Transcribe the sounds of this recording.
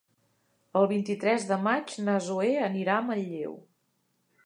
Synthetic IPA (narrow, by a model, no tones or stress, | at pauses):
əlˠβ̞int̪it̪ɾɛzðəmad͡ʒnəzueəniɾaməʎːḛw